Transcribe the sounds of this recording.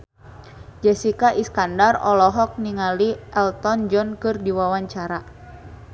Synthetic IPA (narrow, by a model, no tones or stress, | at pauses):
d͡ʒɛsikaʔiskandarɔ̰lɔɦɔk̚niŋaliɛlt̪ɔnd͡ʒɔnkɨrdiwawaɲt͡ʃaɾa